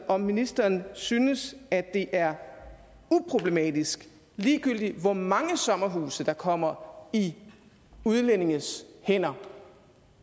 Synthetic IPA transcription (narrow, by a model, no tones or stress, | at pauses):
ʔɒ̽minisd̥ɐːnsyːnəsæd̥e̝ʔæɐ | upʰʁo̝b̥le̝mɛ̰d̥isɡ̥ | liːɡ̥yl̰d̥iʋɒmɑ̈ŋəsɒ̽mɐɦṵːsəd̥ɑ̈kʰɒ̽m̰ɐi | uð̞ˠlene̝ŋəshen̰ɐ